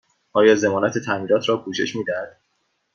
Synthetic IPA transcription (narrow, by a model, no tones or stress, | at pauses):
ʔɒːjɒːze̞mɒːnæt̪ʰe̞t̪ʰæmiːɾɒːt̪ʰɾɒːkʰuːʃe̞̰ʃmiːd̪æhæd̪̥